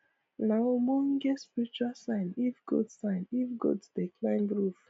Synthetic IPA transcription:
naomɔɡɛtspiɹit͡ʃualsãɪ̃nifɡ̥ṵdsãɪ̃nifɡṵddeklãɪ̃nɹuf

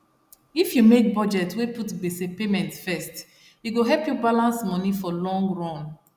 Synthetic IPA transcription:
ifjumek̚bɔd͡ʒɛtweputbesepemɛ̃ntfɛst | juɡoɦɛpjubalãnsmɔnifɔlɔ̃ŋɡɹɔ̃n

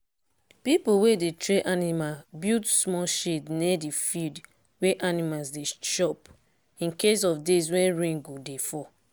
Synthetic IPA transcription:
pipuwedetɹeʔanimabildsmɔʃednedifild | weʔanimalsdeʃɔp | ĩnkes̬ɔfdes̬wɛ̃nɹẽŋɡodefɔ

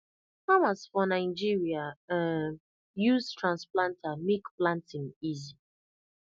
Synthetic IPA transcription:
famasfɔnaɪd͡ʒiɹia | juztɹãnsplãntʰamekplãntĩnizi

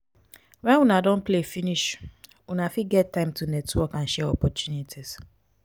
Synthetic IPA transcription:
wɛ̃nwunadõnplefiniʃ | wunafiɡɛttːãɪ̃mtʰunɛtwɔkãnʃɛɔpɔtʰjunitʰis

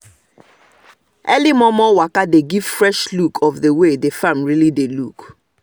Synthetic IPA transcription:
ɛlimɔmɔwakadeɡiv̥fɹɛʃlukʰɔfdewedefãmɹilideluk

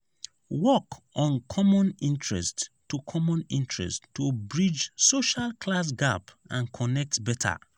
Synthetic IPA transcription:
wɔkʔɔ̃nkʰɔmɔ̃nĩntʰɹɛ̰stː | ukʰɔmɔ̃nḭ̃ntɹɛ̰stːubɹid͡ʒsoʃalkʰlas̬ɡap | ãnkʰɔnɛk̚tbɛtʰa̰

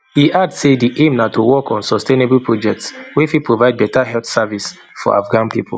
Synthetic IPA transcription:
hiʔadsediʔẽmnatowɔkɔ̃nsɔstenebl̩pʰɹɔd͡ʒɛk̚tswifipʰɹovaɪd̚bɛtaɦɛltsavis | fɔ̰a̰fɡãnpipʰʊl̩

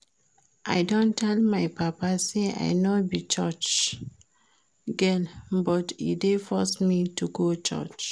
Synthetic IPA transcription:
ʔa̰jdõntʰɛlmajpapasea̰ɪnobit͡ʃɔt͡ʃ | ɡɛnbɔtḭdefɔsmituɡot͡ʃɔ̰t͡ʃ

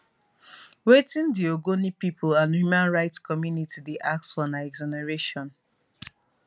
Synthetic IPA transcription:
wetĩndioɡonipipʰulãnhjumãnɹaɪtskɔmjunitideʔak̚tsfɔnaɛɡzɔnaɹeʃɔ̃n

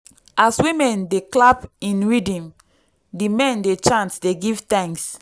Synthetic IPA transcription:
ʔaswĩmɛ̃ndeklapĩnɹidĩm | dimɛ̃ndet͡ʃãnsdeɡiv̥tãŋks

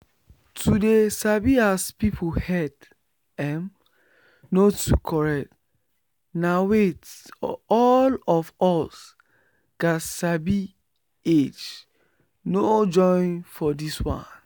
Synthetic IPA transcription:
tʰudesabiaspipʰohɛd | ɛm | notukʰɔɹɛkt | nawet | ɔlɔfɔs | ɡ̥asabi | ed͡ʒ | nod͡ʒɔ̃ɪ̃nfɔdiswã̰n

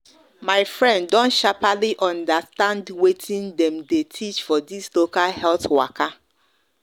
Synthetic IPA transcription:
maɪfɹɛ̃nddɔ̃nʃapaliʔɔ̃ndastãndwetʰĩndɛ̃mdetʰit͡ʃfɔdislokalhɛlθwaka

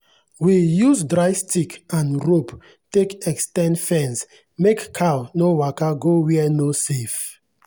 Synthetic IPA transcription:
wijuzdɾajstʰikãnɹop | tekɛkstɛ̃nfɛ̃ns | mekkʰawnowakaɡowɛɛnosef

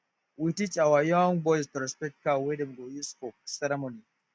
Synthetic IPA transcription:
witit͡ʃʼawajɔŋbɔistɔɾɛspɛt̚kawedɛmɡojiskoksɛɾɛmoni

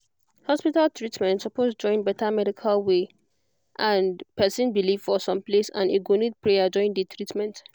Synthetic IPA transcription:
hɔspitaltʰɹitmɛ̃ntsɔpʰozd͡ʒɔ̃ɪ̃nbɛtamɛɾikʰalwe | ʔãnpɛsĩnbiliv̥fɔsɔ̃mplesã̰neɡonid̚pɹejad͡ʒɔ̃ɪ̃nditʰɹitmɛ̃nt

